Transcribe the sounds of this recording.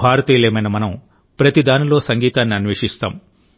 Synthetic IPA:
bʱaːɾɐt̪iːleːmɐjnɐmɐnɐm | pɾɐt̪id̪aːnulo̞ːsɐŋɡiːt̪aːnːiɐnʋeːʂist̪a̰ːm

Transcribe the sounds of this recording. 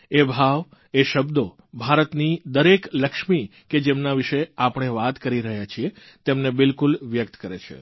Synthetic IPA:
ebʱaʋ | eʃəbd̪o | bʱaɾət̪nid̪əɾekləkʃmiked͡ʒemnaʋiʃeapəɳ̃eʋat̪kəɾiɾəɦjat͡ʃʰie | t̪emnebɪlkulʋjək̚t̪kəɾḛt͡ʃʰḛ

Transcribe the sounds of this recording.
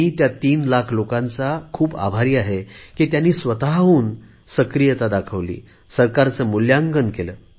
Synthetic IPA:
iːt̪jat̪iːnlakʰlokãnt͡sakʰuːba̰bʱaɾiːaɦekit̪janːiːsʋət̪aɦuːn | səkɾijət̪ad̪akʰəʋlḭː | səɾkaɾt͡səmuljaŋɡənkeləː

